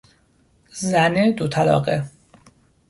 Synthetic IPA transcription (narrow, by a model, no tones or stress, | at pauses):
zæned̪ot̪ʰælɒ̰ːɣe